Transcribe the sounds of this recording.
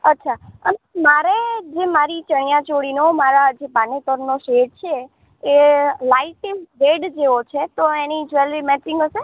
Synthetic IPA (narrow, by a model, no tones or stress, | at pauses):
ətːʃʰaənemaɾed͡ʒemaɾit͡ʃəɳ̃jãt͡ʃoɽinomaɾad͡ʒepanit̪əɾnoʃeʈ̚t͡ʃʰe | elaiʈʋeɖd͡ʒeʋot͡ʃʰet̪oenid͡ʒʋelʋimɛʈɪ̃ŋɡəʃe